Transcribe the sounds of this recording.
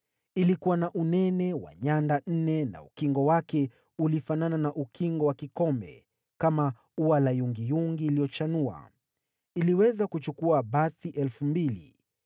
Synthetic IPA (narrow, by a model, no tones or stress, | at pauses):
ilikuwanaʔunɛnɛwa̰ɲandan̩nɛna̰ukiŋɡɔwakɛ | ulifanananaʔukʰiŋɡɔwakikɔmbɛ̰ | kama | uwalajuŋɡijuŋɡiːlijɔt͡ʃanua̰ | iliwɛzakut͡ʃukuabaθiʔɛlfumbilḭ